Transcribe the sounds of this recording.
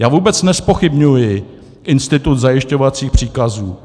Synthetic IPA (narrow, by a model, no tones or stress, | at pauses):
jaːvuːbɛt͡snɛspo̞xɪbɲujɪ | ʔɪnst̪ɪt̪ut̪zajɪʃco̞vat͡siːxpr̝̥iːkazuː